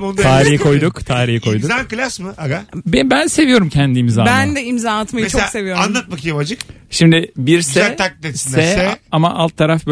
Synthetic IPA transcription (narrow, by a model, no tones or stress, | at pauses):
ondt̪ʰaːɾihikʰo̞jd̪ukt̪ʰaːɾihikʰo̞jd̪uakɯlʲˠasmɯaɡabɛbænse̞vijo̞ɾumcʰɛnd̪iimzaːbænd̪ɛimzaːnat̪majet͡ʃʰoase̞vijoɾanˠat̪̚makjabad͡ʒɯk | ʃimd̪ɪbiɾsɛat̪ʰːak̚t̪et̪sinsdɛɛamaʔalˠt̪ʰːaɾafb